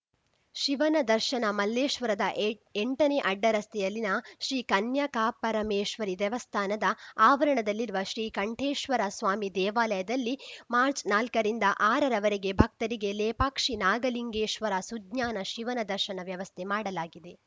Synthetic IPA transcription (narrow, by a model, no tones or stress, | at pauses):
ʃiʋɐnɐd̪ɐɾʃɐnɐmɐlːeːʃʋɐɾɐd̪ɐʔeɳʈɐne̞ʔɐɖːɐɾɐst̪ʰɛjɐlːinɐʃɾiːkɐnjɐkaːpːɐɾɐmeːʃʋɐɾid̪ɛʋɐst̪ʰaːnɐd̪ɐaːʋɐɾɐɳɐd̪ɐlːiɾuʋɐʃɾiːkɐɳʈʰeːʃʋɐɾɐsʋaːmid̪ɛːʋaːlɐjɐd̪ɐlːimaːɾt͡ʃnaːlkɐɾind̪ɐʔaːɾɐɾɐʋɐɾeɡe̞bʱɐk̚t̪ɐɾiɡe̞leːpaːkʂinaːɡɐliŋɡeːʃʋɐɾɐsud̪ɲaːnɐʃiʋɐnɐd̪ɐɾʃɐnɐʋjɐʋɐst̪ʰemaːɽɐlaːɡid̪e̞